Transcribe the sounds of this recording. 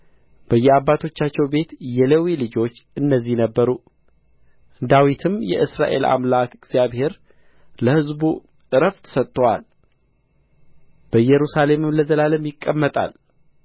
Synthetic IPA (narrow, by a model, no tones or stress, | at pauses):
b̥əjːɛabːat̪ʰo̞t͡ʃːat͡ʃːɛwbe̞t̪jɛlewilɨd͡ʒo̞t͡ʃːɨnːəzːihnəbːəɾu | d̪awit̪ʰɨmjɛ̰ʔɨsɾa̰ʔe̞̰la̰mlakɨɡz̥jaβhe̞ɾ | ləhɨzbu | ʔɨɾəft̪ʰsət̪ʼːəwa̰l | b̥əjɛɾusale̞mɨmləzəlaləmjɪkʼːəmːət̪ʼa̰l